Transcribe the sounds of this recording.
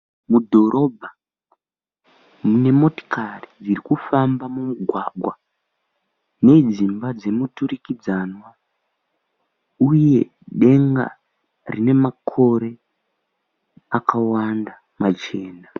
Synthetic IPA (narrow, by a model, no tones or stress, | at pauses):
mudʱo̞ɾʔo̞bʱa | mune̞mo̞to̥karid͡ziɾikufambamumuɡʱwaɡʱwa | ne̞d͡zimbad͡ze̞muturikid͡zanwa | uje̞ | ɗe̞ŋɡa̰ | rine̞makʰo̞ɾe̞ | akawanda | mat͡ʃe̞ːna